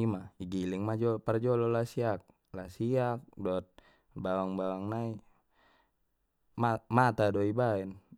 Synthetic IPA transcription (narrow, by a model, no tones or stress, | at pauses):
imaiɡiliŋmad͡ʒɔpard͡ʒɔlɔlasiak̚ | lasiak̚dɔt̪̚ | bawaŋbawaŋnai | mamat̪adɔibaɛn